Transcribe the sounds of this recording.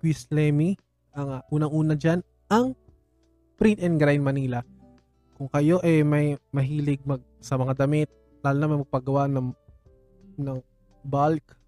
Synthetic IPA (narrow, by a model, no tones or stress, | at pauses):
kwislɛmi | ʔɐŋʔuːnɐŋʔuːnɐd͡ʒan | ʔɐŋ | pɾit̪ɛnɡɾajnmɐniːlɐ | kʊŋkɐjo̞ʔɛmɐjmɐɦiːlɪɡ̚mɐɡ̚sɐmɐŋad̪ɐmɪt̪̚ | laːlʊnɐmɐjmɐɡ̚pɐɡɐwaʔnɐŋ | nɐŋ | balk